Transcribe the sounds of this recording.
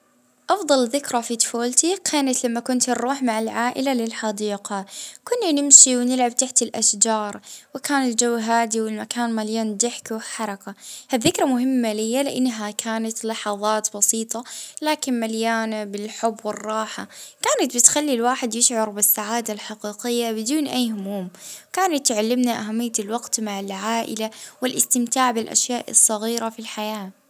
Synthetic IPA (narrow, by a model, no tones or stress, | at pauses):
ʔɑfðˤɑlðɪkɾafit̪foːlt̪ikʰaːnat̪lamːakʊnt̪nɾuːħmaʕɪlʕaːʔɪlalɪlħɑd̪iːqɑkʊnːanɪmʃiwnɪlʕab̚t̪aħt̪ɪlʔaʃd͡ʒɑːɾˤwɪkaːnɪld͡ʒawːɦaːd̪iwɪlmakaːnmaljaːnd̪ɪħkħɑɾˤɑkahaðːɪkɾˤɑmʊhɪmːalɪhijːalɪʔanːɦakʰaːnat̪lɑħɑðˤɑːt̪bɑsiːt̪ˤɑlaːkɪnmaljaːnabɪlħʊbːwɪrˤːɑːħakaːnat̪̚bɪt̪xalːilwaːħɪd̪jɪʃʕɑɾˤbɪsːaʕaːd̪alħaqiːqɪjːabɪd̪uːnʔajːhʊmuːmkaːnat̪ːʕalːɪmnaʔaɦamːɪjːalwɑɡt̪maʕɪlʕaːʔɪ̰lawɪlʔɪst̪ɪmt̪aːʕbɪlʔa̰ʃjaːʔɨ̰sˤːɑɣiːɾafilħajaː